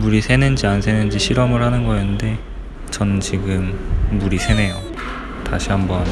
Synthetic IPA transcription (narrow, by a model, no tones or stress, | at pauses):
muɾisʰe̞nɯnd͡ʑiansʰe̞nɯnd͡ʑiɕʰiɾʌmɯɭhanɯnɡʌenːɯnde̞ | t͡ɕʌnnt͡ɕiɡɯmːuɾisʰe̞ne̞jo | taɕʰihambʌn